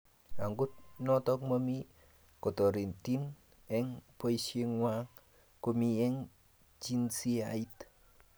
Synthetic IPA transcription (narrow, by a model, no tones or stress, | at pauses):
aŋɡut̚nɔtɔk̚mami | kotoɾintin | ɛŋpoiseŋwa | komiɛŋ | t͡ʃinsiait